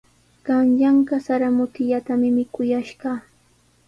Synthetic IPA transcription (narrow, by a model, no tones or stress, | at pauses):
ɢ̥ɑnʎaɴɢɑsaɾamʊt̪ɪʎat̪amɪmɪkʊjaʃɢɑː